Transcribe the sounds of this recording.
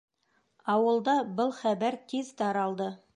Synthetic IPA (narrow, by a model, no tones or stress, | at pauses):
ɑwɤ̆lˠd̪ɑbɤlˠχæbæɾt̪ʰezt̪ɑɾɑlˠd̪ɤ